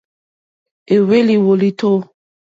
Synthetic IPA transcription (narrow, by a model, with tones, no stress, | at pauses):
e˨we˦li˨wo˨li˦tʰo˦